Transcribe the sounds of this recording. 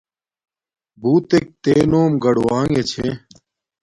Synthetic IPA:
bʱuːt̪ek̚t̪eːnoːmɡəɽwaːŋɡeːt͡ɕʰḛː

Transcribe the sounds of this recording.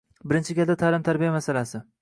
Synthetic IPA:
bɪɾɪnt͡ʃʰɪɡʲald̪at̪ʰaːlɪmt̪ʰaɾbijamasalasɪ

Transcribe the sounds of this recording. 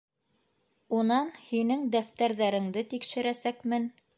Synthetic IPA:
unɑnhinɘŋd̪æft̪æɾðæɾɘ̆ŋd̪ɘt̪ikʃɘ̆ɾæsækmɘn

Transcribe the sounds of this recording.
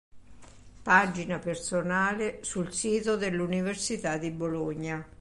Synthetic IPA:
paːd͡ʒinapersonaːlesulsiːt̪od̪elːuniversit̪ad̪ːiboloɲːa

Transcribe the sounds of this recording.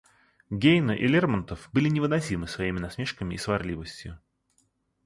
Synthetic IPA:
ɡʲejnɨʔɪlʲermənt̪əfbɨlʲɪnʲɪvɨnɐsʲimɨsvɐimʲɪnɐsmʲe̞ʂkəmʲɪːsvɐrlʲivəsʲtʲjʊ̰

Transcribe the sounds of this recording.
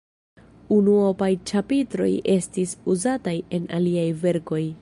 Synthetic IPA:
unuopajt͡ʃapitɾo̞̰jʔe̞stisuzataje̞naliajve̞ɾko̞j

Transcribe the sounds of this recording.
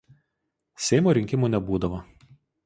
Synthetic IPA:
sʲɛɪmoːɾʲɪŋʲkʲɪmuˑnʲɛbuːd̪ɐʋɐ

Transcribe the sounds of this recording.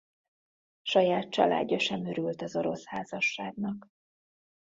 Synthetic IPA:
ʃɒjaːt̪̚t͡ʃɒ̰la̰ːɟːɒʃɛmøɾylt̪ɒzo̞ɾo̞shaːzɒʃːaːɡnɒk

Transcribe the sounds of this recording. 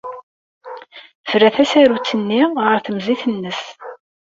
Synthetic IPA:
vɾæθæsæɾut͡sːənːiʁəɾθəmziθənːəs

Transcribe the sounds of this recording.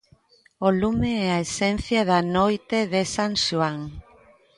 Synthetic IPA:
olumeɛaesen̟θjaðanojt̪eðesaŋʃuaŋ

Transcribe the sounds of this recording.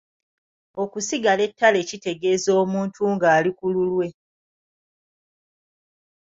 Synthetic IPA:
o̞kusiɡale̞tːale̞ːcite̞ɡe̞ːzo̞ːmuːntʰuŋɡaːlikululwe̞

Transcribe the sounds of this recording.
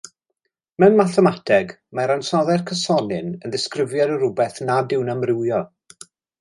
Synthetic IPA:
mɛnmaθɛmatʰɛɡ | maɾansɔðɛrkʰəsɔnɨnənðɪskrɪvjɛɾəɾʊbɛθnadɪwnamrɪwjɔ

